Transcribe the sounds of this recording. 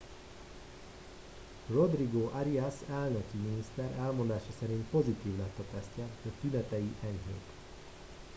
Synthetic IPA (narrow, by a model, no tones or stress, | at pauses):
ro̞d̪riɡoːʔaɾiasɛlnøkiminist̪ɛɾɛlmo̞nd̪aːʃɒsɛɾint̪̚po̞zit̪iːvlɛt̪ːɒt̪ɛst̪ɛjɒt̪ynɛt̪ɛjiʔɛɲɦḛːt̪